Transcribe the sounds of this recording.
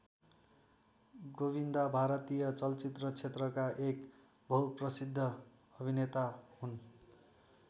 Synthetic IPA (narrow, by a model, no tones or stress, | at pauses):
ɡobind̪abʱaɾʌt̪ijʌt͡sʌlt͡sit̪rʌt͡sʰet̪rʌkaʔek | bʱʌwprʌsid̪ʱːʌ | ʌbʱinet̪aɦun